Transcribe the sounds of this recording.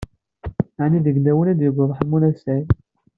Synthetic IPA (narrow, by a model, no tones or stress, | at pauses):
aʕniðəɡnæwənæd̪jəɡʷːʊðˤəħmːunæsæjn